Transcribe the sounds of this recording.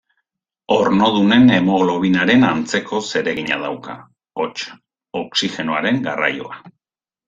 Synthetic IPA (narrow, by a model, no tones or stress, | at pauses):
o̞ɾno̞ð̞une̞ne̞mo̞ɣlo̞βinaɾe̞nant͡se̞kʰo̞se̞ɾe̞ɣiɲa̰ðawka̰ | o̞t͡ʃ | oksixe̞noaɾe̞ŋɡara̰jo̞̰a